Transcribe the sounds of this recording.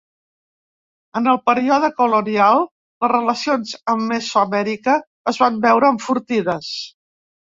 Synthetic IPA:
ənəlˠpəɾiɔðəkulunialˠ | ləzrələsionzəmːesoəmɛɾikəː | zβambɛwɾəːɱfuɾt̪iðəs

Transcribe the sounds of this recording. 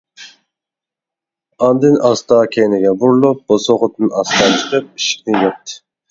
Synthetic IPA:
ɑnd̪ɨnɑst̪ɑːkʲʰɛnɪɡʲɛbuɾlˠup̚b̥osoʁʊt̪ɨnɑst̪ɑt͡ʃʰə̥qɨp̚iʃi̥k̚ʲnɪjop̚t̪ʰɨ̥

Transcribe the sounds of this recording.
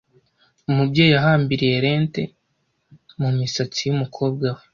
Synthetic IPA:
umubɟeːjaɦaːmbiɾije̞ɾe̞ːnte̞ | mumisat͡sijumukʰo̞ːb̚ɡawe

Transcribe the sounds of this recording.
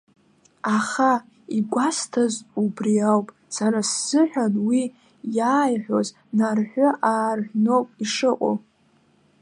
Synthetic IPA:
aχa | iɡʷastʰazubriawpʼ | saɾasz̥ɨħʷᶣanwi | jaːjħʷᶣoz | narħʷᶣʊʔaːrʒʷᶣnowpʼiʂɨqʷʼo̰

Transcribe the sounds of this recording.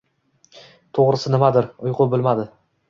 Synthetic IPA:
t̪ʰoʁɾɪsɪnɪmad̪ɪɾʊjqʰʊbɪlmad̪ɪ

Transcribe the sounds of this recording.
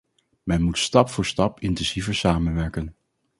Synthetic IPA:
mɛnmutstɑpfʊːɹstɑpɪntɛnsivəɹsaːmənʋɛɹkən

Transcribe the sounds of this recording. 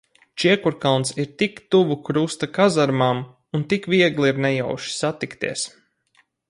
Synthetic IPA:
t͡ʃiɛkuɾkalˠnsiɾt̪ikt̪uvukɾust̪akazaɾmam | unt̪ikvʲiɛɡlˠiɾnɛja̰wʃi̥sat̪ikt̪iɛs

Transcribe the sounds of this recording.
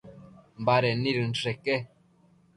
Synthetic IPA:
m̩baɾɛniɾin̩tɛkɛ

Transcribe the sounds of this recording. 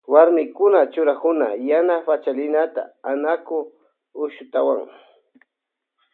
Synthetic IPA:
waɾmɪkʊnat͡ʃʊɾakʊnajanafat͡ʃalɪnat̪a̰ːnakʊ | ʊʃʊt̪awa̰ŋ

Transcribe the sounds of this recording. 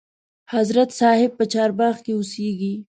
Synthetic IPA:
hazɾat̪sɑhɪb̚pət͡ʃɑɾbɑxkeʊseɡi

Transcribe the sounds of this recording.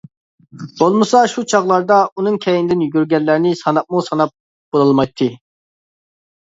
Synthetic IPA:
bolˠmɨsɑʃut͡ʃʰɑʁlˠɑɾd̪ɑunuŋkʲʰɛjind̪ɪnjyɾɡʲɛlːæɾɪnɪsɑnɑp̚musɑnɑp̚ | b̥olˠɑlˠmɑjt̪ʰːɨ

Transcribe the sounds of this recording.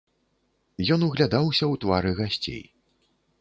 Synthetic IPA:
jɔnuɣlʲad̪awsʲɐwt̪vaɾɨɣasʲt͡sʲḛj

